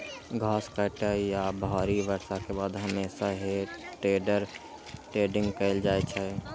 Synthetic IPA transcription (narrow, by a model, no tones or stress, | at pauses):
ɡʱaːskəʈajabʱɔːɾiʋəɾsakebaːd̪ɦəmeːsaɦeʈɾeːɖəɾ | ʈɾeːɖɪ̃ŋɡkəɪld͡ʒaːet͡ʃʰɛ